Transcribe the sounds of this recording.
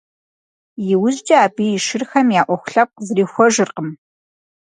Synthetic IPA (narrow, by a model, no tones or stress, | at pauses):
jɪwʊzd͡ʒʼɐaːbiːjɪʃɪrxɐmjaːʔʷɔxʷʊ̥ɬɐp̚qzɾiːxʷɔʒɨrqəm